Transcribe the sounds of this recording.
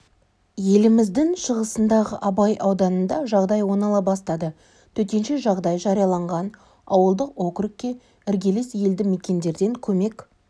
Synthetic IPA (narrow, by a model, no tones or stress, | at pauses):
je̞lɪmɪzd̪ɪŋʃəʁəsənd̪ɑʁəʔɑbɑjʔɑwd̪ɑnənd̪ɑʒɑʁd̪ɑjwo̞nɑlˠɑbɑst̪ɑd̪ə | t̪ʰɵt̪e̞nʃe̞ʒɑʁd̪ɑjʒɑɾijɑlˠɑɴʁɑn | ɑwəlˠd̪əqo̞kɾɪk̚ʲːe̞ | ɪɾɡʲe̞lesje̞ld̪ɪme̞kʲe̞nd̪e̞ɾd̪e̞ŋkʲʰɵme̞kʲ